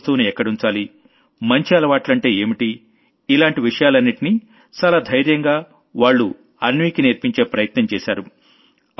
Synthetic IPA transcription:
t̪uːniɛkːɐɽunt͡ʃaːli | mɐɲt͡ʃiɐlɐʋaːʈlɐɳʈe̞ːeːmiʈi | ilaːɳʈiʋiʂɐjaːlɐnːiʈini | t͡ʃaːlaːd̪ʱɐjɾjɐŋɡaː | ʋaːɭːu | ɐnʋiːkineɾpiɲt͡ʃe̞ːpɾɐjɐt̪nɐmt͡ʃɛːʃaːɾu

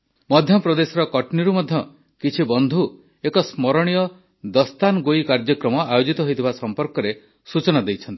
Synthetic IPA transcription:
mɔd̪ʱjɔpɾɔd̪esɔɾɔkɔʈniɾumɔd̪ʱjɔ | kit͡ʃʰibɔnd̪ʱu | ekɔsmɔɾɔɽ̃ijɔ | d̪ɔst̪anɔɡoikaɾd͡ʒɔkɾɔmɔajod͡ʒit̪ɔɦojt̪ʰibasɔmpɔɾkɔɾe | sut͡ʃɔnad̪ejt͡ʃʰɔnt̪i̥

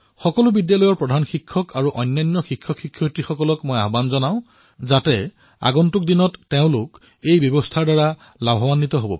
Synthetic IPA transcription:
xɔkɔlʊbidjalɔjɔɹpɹɔdʱanxikʰːɔkaɹuʔɔjnːajnːɔxikʰːjɔkʰːikʰːjɔtixɔkɔlɔkmoja̰ɦbanzɔnaʊ̃ | zatɛ | a̰ɡɔntʊk̚dinɔtːeʊ̃lʊk | ejbjɔbɔstʰaɹdaɹa | labʱɔwanːitɔɦobɔ̰

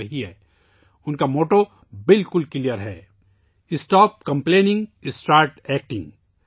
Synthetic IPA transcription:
ɐɦiɦɛː | ʊnkamoːʈo | bɪlkʊlkɪlijəɾɦɛ̰ː | ɪsʈɔːp̚kɐ̃mpleːnɪ̃ŋɡɪsʈaːɾʈɛːk̚ʈɪ̃ŋɡ

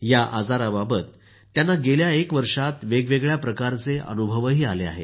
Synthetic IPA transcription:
jaʔad͡zaɾababət̪ː | janːaɡeljaekʋəɾʂat̪ʋeɡʋeɡɭjapɾəkaɾt͡seʔə̰nubʱəʋəɦiːalea̰ɦḛ

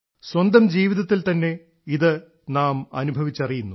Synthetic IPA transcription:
swɐnd̪ɐmd͡ʑiːʋiðɐt̪ːilt̪ɐnːe̞ | iðɨ | naːmɐ̰nubʱɐʋit͡ɕːɐrijunːu

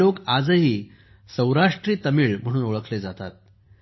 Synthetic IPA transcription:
okad͡zəɦiː | sə̃wɾaʂʈɾiːt̪əmiːɭm̤əɽ̃uːnoɭəkʰled͡zat̪at̪̚

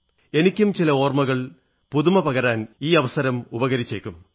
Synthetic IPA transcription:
e̞nikʲːumt͡ɕilɐo̞ːrmɐɣɐɭ | puðumɐpɐɣɐɾaːniːɐʋɐsɐɾɐmubɐɣɐɾit͡ɕːeːkʲːum

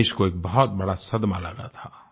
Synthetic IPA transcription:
ʃkoeːk̚bɐɦʊt̪̚bɐɽasɐd̪maləɡa̰t̪ʰaː

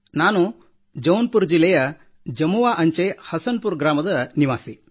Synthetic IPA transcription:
naːnu | d͡ʒɐwnpuɾd͡ʒilːɛjɐ | d͡ʒɐmuʋaːʔɐɲt͡ʃehɐsɐnpuɾɡɾaːmɐd̪ɐniʋaːsi

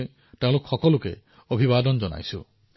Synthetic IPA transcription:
tew̃lukɔxɔkɔlukḛ | obʱibad̪ɔnd͡ʒɔna̰jsṵ

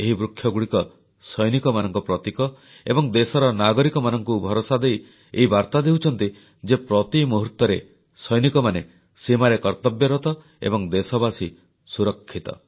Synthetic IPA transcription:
eɦibɾukʰːjɔɡuɽikɔ | sɔjnikɔmanɔŋkɔpɾɔt̪ikɔ | ebɔŋd̪esɔɾɔnaɡɔɾikɔmanɔŋkubʱɔɾosad̪ej | ḛɦibaɾt̪ad̪eɦut͡ʃʰɔnt̪i | d͡ʒepɾɔt̪imoɦuɾt̪ɔɾe | sɔjnikɔmane | simaɾekɔɾt̪ɔbjɔɾɔt̪ɔ | ḛbɔŋd̪esɔbasi | suɾɔkʰːit̪ɔ̰

